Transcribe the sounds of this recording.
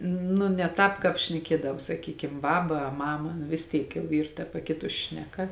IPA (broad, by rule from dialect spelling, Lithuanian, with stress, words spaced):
nʊ nʲɛ ˈtɑːp kɑːp ʃʲnʲɛˈkʲiɛdɐw sɐˈkʲiːkʲɪm ˈbɑːbɐ ɐ ˈmɑːmɐ nʊ ʋʲɪs ˈtʲiːk jɛʊ ˈiːr tɐ pɐˈkʲɪtʊs ˈʃʲnʲæːˌkɐ